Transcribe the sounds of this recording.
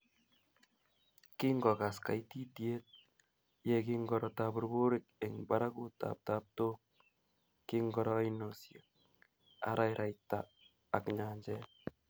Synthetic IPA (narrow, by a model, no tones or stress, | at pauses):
kiŋɡɔkaska̰jt̪itjet̪̚ | jɛkiŋɡɔɾɔt̪abuɾbuɾɪk̚ɛŋbaɾakut̪a̰p̚tap̚t̪ok̚ | kiŋɡɔɾɔjnosja | a̰ɾʔajɾʔajt̪aː | kɲaɲd͡ʒɛ